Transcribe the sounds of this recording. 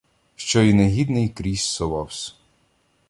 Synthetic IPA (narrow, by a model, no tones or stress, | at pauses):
ʃt͡ʃɔineɦʲid̪nɪjkɾʲisːɔʋɑwsʲ